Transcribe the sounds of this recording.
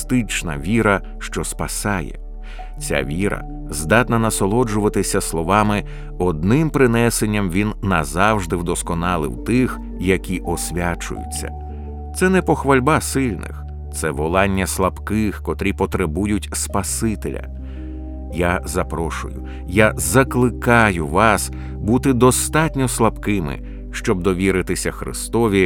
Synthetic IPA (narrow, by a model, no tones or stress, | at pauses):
t̪ɪt͡ʃnɐ̰ʋʲiɾɐ | ʃt͡ʃɔspɐsɑjɛ̰ | t͡sʲa̰ʋʲiɾɐ̰ | zd̪ɑt̪nɐnɐsɔlˠɔd͡ʒʊʋɐt̪ɪsʲɐslˠɔʋɑmɪ | ɔd̪̚nɪmpɾɪnɛsenʲːɐmʋʲinːɐzɑwʒd̪ɪwd̪ɔskɔnɑlˠɪ̰wt̪ɪx | jɐkʲiʔɔsʲʋʲat͡ʃʊ̰jʊ̰t͡sʲːɐ̰ | t̪sɛnɛpɔxʋɐlʲbasɪlʲnɪ̰x | t̪sɛʋɔlˠɑnʲːɐslˠɐbkɪxkɔt̪ɾʲipɔt̪ɾebujʊtʲspɐsɪt̪ḛlʲɐ̰ | jazɐpɾɔʃʊ̰jʊ | jazɐklˠɪkɑjʊʋɑs | but̪ɪd̪ɔst̪ɑtʲnʲɔslˠɐbkɪmɪ̰ | ʃt͡ʃɔb̚d̪ɔʋʲiɾɪt̪ɪsʲɐxɾɪ̰st̪ɔʋʲi